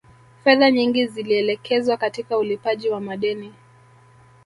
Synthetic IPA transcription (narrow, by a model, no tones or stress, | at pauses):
fɛðaɲiŋɡiziliɛlɛkʰɛzwakatikaulipaʄiwamaɗɛni